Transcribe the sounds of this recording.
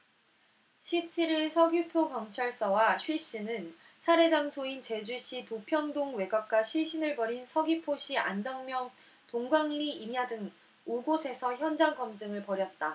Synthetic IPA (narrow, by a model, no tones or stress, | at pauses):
ɕʰip̚t͡ɕʰiɾiɭsʰʌɡipʰokjʌŋt͡ɕʰaɭs͈ʌwaɕʰɥiɕ͈inɯn | sʰaɾe̞d͡ʑaŋsʰoint͡ɕe̞d͡ʑuɕ͈itopʰjʌndoŋwe̞ɡap̚k͈aɕʰɥiɕ͈ʰinɯɭbʌɾinsʰʌɡipʰoɕ͈ʰia̰ndʌŋmjʌŋ | toŋɡwaŋʎiiɲadɯŋ | uɡosʰe̞sʰʌçjʌnd͡ʑaŋɡʌmd͡ʑɯŋɯɭpʌɾjʌt̚t͈a